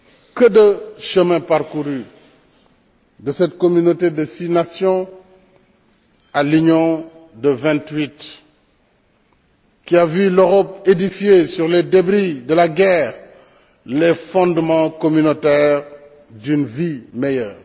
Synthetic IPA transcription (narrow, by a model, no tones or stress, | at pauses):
kədəʃəmɛ̃paʁkuʁy | dəsɛtkomynotedəsinasjɔ̃ | alyɲɔ̃dəvɛ̃ntwit | kiavyløʁɔp̚edifjesyʁledebʁidəlaɡɛːʁ | lefɔ̃dmɑ̃komynotɛːʁ | dynvimejœːʁ